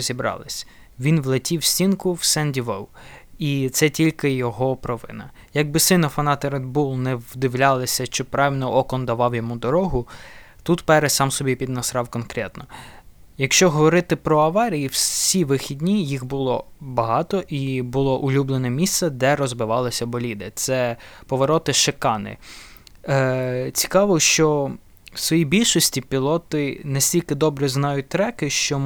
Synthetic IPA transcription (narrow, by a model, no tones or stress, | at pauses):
zʲibɾɑ̰lˠɪsʲ | ʋʲinʋlˠɪtʲiwsʲtʲinkʊwsɛnʲdʲiʋɔw | it̪sɛtʲilʲkɪjɔɦɔpɾɔʋɪ̰nɐ | jɐɡ̚bɪsɪnɔfɐnɑt̪eɾɛd̪bulˠnɛwd̪ɪwlʲɑlˠɪsʲɐʃt͡ʃɔpɾɑʋʲilʲnɔʔɔkɔnd̪ɐʋɑwjɔmud̪ɔɾɔɦʊ | t̪ut̪pɛɾɛsɑmsɔbʲipʲid̪nɐsɾɑwkɔnkɾʲɛt̪nɔ | jɐkʃt͡ʃɔɦɔʋɔɾɪt̪ɪpɾɔɐʋɑɾʲijiwsʲiʋɪxʲidʲnʲijixbʊlˠɔbɐɦɑt̪ɔʔibʊlˠɔʔʊlʲublˠenɛmʲist̪sɛd̪ɛɾɔzbɪʋɑlˠɪsʲɐbɔlʲid̪ɪt̪sɛpɔʋɔɾɔt̪ɪʃekɑnɪ̰ | t͡sʲi̥kɑʋɔʃt͡ʃɔ | wsʋɔjibʲilʲʃɔsʲtʲipʲilˠɔt̪ɪnɛsʲtʲilʲkɪd̪ɔbɾɛznɑjʊt̚ʲt̪ɾɛkɪʃt͡ʃɔ